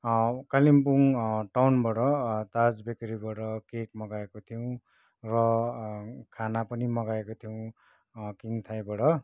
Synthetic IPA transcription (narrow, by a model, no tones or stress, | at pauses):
kalimpuŋʈawnbʌʈʌt̪ad͡zbekʌɾibʌʈʌkekmʌɡaekot̪ʰijow̃ | rʌ | kʰanapʌnimʌɡaekot̪ʰijw̃ | kint̪ʰajbʌʈʌ